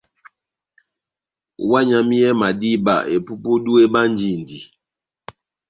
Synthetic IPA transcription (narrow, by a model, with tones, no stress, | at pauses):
wa˦ɲa˨mi˦jɛ˦ma˨di˦ba̰˨ʔḛ˨pu˦pu˦du˦e˦ba˦n˦d͡ʒi˦˨ndi˨